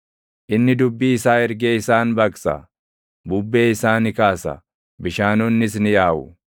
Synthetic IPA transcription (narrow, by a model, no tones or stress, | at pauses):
ʔɪnːɪd̪ʊbːiːɪsaːɛɾɡeːɪsaːnbɐksɐ̰ | bʊbːeːɪsaːnɪkaːsɐ̰ | bɪʃaːnɔnːɪs̬nɪjaːʔʊ̰